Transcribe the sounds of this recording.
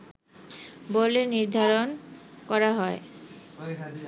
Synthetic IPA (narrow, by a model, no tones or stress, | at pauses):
boleniɾd̪ʱaɾonkɔɾaɦɔe